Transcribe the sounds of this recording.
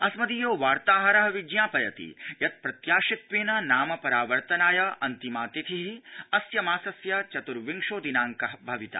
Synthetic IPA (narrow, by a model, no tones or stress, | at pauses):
ɐsmɐd̪ijoːʋaːɾt̪aːɦɐɾɐɦɐʋid͡ʒjaːpɐjɐt̪ḭjɐt̪̚pɾɐt̪jaːʃit̪ʋeːnɐnaːmɐpɐɾaːʋɐɾt̪ɐnaːjɐʔɐ̰nt̪imaːt̪it̪ʰiɦiɐsjɐmaːsɐsjɐt͡ʃɐt̪uɾʋiŋʃoːd̪inaːŋkɐɦbʱɐʋit̪a̰ː